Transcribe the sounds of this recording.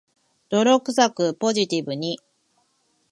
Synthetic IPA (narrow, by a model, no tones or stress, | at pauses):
d̪̥o̞ɾo̞kɯ̟sakɯ̟po̞ʑit̪ʲibɯ̟ɲ̟i